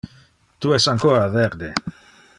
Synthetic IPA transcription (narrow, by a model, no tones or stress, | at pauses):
t̪uɛsaŋkoːɾaveɾd̪e